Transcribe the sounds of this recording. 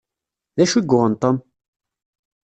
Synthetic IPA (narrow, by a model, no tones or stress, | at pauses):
ðæʃwiɡʊʁənt̪ˤəm